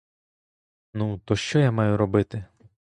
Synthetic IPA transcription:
nut̪ɔʃt͡ʃɔjamɑjʊɾɔbɪt̪ɪ

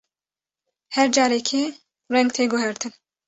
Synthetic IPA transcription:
hɛɾd͡ʒɑːɾɛkʰe | rɛŋɡt̪ʰeːɡʊɦɛɾt̪ʰɨn

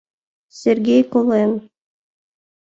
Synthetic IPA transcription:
sʲerɡʲejkolˠen

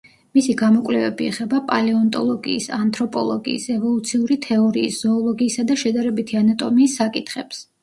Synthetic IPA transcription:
misiɡamɔkʼlɛvɛbiɛχɛbapʼa̰lɛɔnt̪ʼɔ̰lˠɔɡḭːsant̪ʰɾɔpʼɔ̰lˠɔɡḭːsɛvɔlˠut̪sʰiuɾit̪ʰɛɔɾiːsz̥ɔːlˠɔɡiːsad̪aʃɛd̪aɾɛbit̪ʰianat̪ʼɔmiːsːakʼit̪ʰχɛps

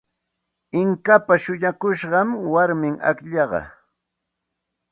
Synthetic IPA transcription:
ɪŋkapaʃʊʎakʊʃɢɑmwaɾmɪŋa̰kʎɑɢɑ̰

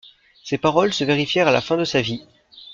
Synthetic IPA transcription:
sepaʁɔlsəveʁifjɛʁala̰fɛ̃d̪əsavi

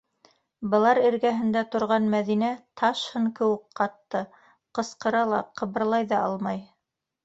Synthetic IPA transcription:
bɤ̆lˠɑɾɘ̆ɾɡæɦɘ̆nd̪æt̪ŏɾʁɑnmæðinæt̪ʰɑʃhɤŋkɘ̆wɘk̚qɑt̪ːɤ | qɤ̆sqɤ̆ɾɑlˠɑ̰qɤ̆βɤ̆ɾlˠɑjðɑʔɑlˠmɑj

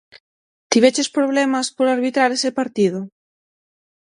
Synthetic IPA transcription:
t̪iβet͡ʃespɾoβ̞lɛmaspoɾaɾβit̪ɾaɾesepaɾt̪iðʊ

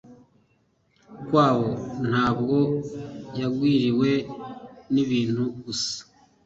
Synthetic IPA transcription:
kwaːβo̞n̥haːb̚ɡo̞jaɡwiːɾiwe̞ | niβiːn̥huɡusḁ

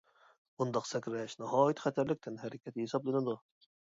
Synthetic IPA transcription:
und̪ɑqsɛkʲɾɛʃnɑɦɑːjit̪χɛt̪ʰæɾlɪk̚ʲt̪ʰɪnɦɛɾɪkʲɛt̪hesɑblˠɨnɨd̪u

